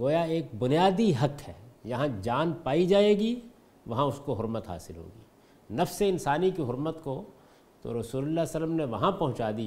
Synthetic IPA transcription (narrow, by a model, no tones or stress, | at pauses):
ɡoːjaeːk̚bʊnijaːd̪iɦɐkɦɛːjɐɦãd͡ʒaːnpaːid͡ʒaːeːɡi | ʋɐɦãʊskoɦʊɾmət̪ɦa̰ːsɪlɦo̰ːɡḭː | nɐfseɪnsaːnikiɦʊɾmət̪ko | t̪o̰ɾɐsuːlʊlːasələmneʋɐɦãpɐɦʊ̃t͡ʃaːd̪i